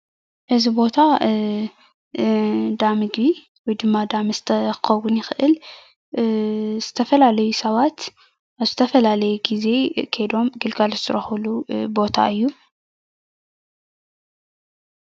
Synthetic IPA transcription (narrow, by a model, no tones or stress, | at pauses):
ʔɨzibo̞t̪ʰa | d̪amɨɡbi | wɔjd̪ɨmːad̪amɨzt̪ʰɐxɨxɐwʊnjɪxʔɨl | z̥ɨ̥t̪ʰɐfɐlalɐjusɐβat̪ | ʔaβzɨt̪ʰɐfɐlalɐjɛɡize̞kʰɐjd̪o̞mɡɨlɡalzɨt̪ʰɨɾɐxulubo̞t̪ʰa̰ɨjːu